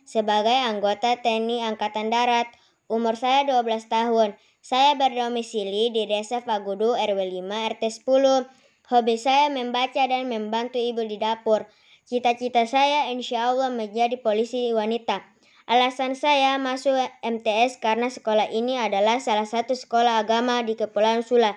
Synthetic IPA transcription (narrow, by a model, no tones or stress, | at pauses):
səbaɡajaŋɡot̪at̪ɛniaŋkat̪andaɾat̪̚ | umursajaduablast̪aɦʊn | sajabərdomisilididɛsɛfaɡuduɛrwɛlimaɛrt̪ɛsə̥pulu | hobisajamɛmbat͡ʃadanmɛmbant̪uibudidapɔr | t͡ʃit̪at͡ʃit̪asajainʃialːaməɲd͡ʒadipolisiwanit̪a | ʔalasansajamasuɛmt̪ɛɛskarnasə̥kolahʔiniadalahsalahsat̪usə̥kolaɦːɡamadikəpulansula